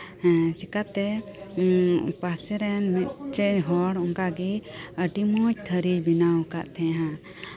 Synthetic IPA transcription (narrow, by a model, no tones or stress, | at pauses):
t͡ʃikat̪ɛ | pasɛɾɛnmɛt̪̚t͡ʃɛɦɔɽɔŋkaɡiəɖimɔt͡ʃt̪ʰəɾibinawkaʔt̪ʰɛ̃ɦã